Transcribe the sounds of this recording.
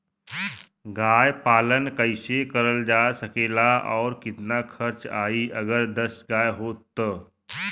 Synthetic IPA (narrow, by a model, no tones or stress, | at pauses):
ɡajpalənkəjsekəɾəld͡zasəkelaʔɔɾkit̪nakʰəɾt͡saiːʔəɡəɾd̪əsɡajɦot̪ːəː